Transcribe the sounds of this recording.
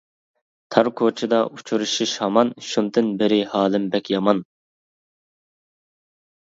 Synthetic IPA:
t̪ʰɑɾkʰot͡ʃʰid̪ɑʔut͡ʃʰuɾuʃiʃhɑmɑnʃund̪ɨnbɪɾɪhɑːlˠɪmbɛkʲʰjɑmɑn

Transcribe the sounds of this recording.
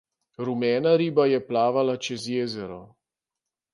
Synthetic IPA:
ɾumɛːnaɾiːbajɛplaːʋalat͡ʃɛzjeːzɛɾɔ̰

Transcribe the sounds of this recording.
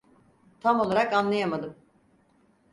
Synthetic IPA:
t̪ʰamo̞lˠaɾakanlˠajamad̪ɯm

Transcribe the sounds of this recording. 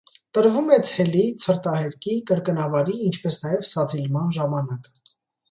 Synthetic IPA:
t̪əɾvumɛt͡sʰɛlit͡sʰəɾt̪ɑhɛɾkʰikəɾkənɑvɑɾiːnt͡ʃʰpɛsnɑjɛvsɑt͡sʰilmɑnʒɑmɑnɑk

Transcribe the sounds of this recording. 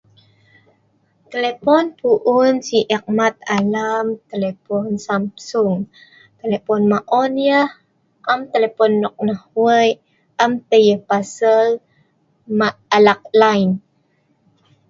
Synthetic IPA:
t̪əlepɔnpuʔunsiʔɛk̚mat̪̚alamt̪əlepɔnsamsuŋ | t̪elepɔnmaʔɔnjəh | ʔamt̪elepɔnːɔk̚nahwəj | ʔamt̪əjəhpasəl | maalak̚lajn

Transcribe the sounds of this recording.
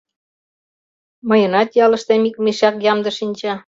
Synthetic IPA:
mɤjə̆nɑt̪jɑlə̆ʃt̪emik̚miʃɑkjɑmd̪ɤ̆ʃinʲt͡ɕɑ

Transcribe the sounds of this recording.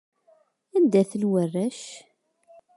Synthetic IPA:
ænd̪æθəlwərːæʃ

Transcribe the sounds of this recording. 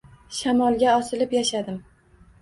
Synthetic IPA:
ʃamɒlˠɡʲaɒsɪlɪpjaʃad̪ɪm

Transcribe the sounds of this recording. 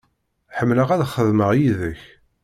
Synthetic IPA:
ħəmːləʁæðχəðməʁjiðəç

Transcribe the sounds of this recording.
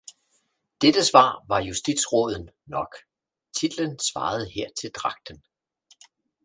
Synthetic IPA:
d̥ed̥əsʋɑ̰̈ːʋɑ̈jusd̥id̥sʁɔð̞ˠn̩ | nɒ̽ɡ̥ | t͡sʰid̥lənsʋɑ̰̈ːð̞̩ˠheɐ̰t͡sʰe̝ld̥ʁɑ̈ɡ̥̚d̥ən

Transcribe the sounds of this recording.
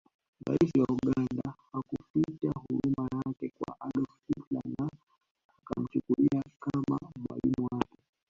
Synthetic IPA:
ɾaisiwauɠandahakupitahuɾumajakɛkwa̰ʔaɗɔffitlanaː | kam̩t͡ʃukuɾiakama̰mwa̰limuwakɛ

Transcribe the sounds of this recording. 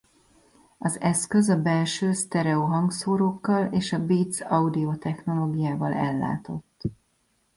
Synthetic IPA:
ɒzɛskø̞zɒbɛlʃøːst̪ɛɾɛoɦɒŋɡsoːɾoːkːɒleːʃɒbiːt̪sɒud̪iot̪ɛxno̞loːɡijaːvɒlɛlːa̰ːt̪o̞t̪ː

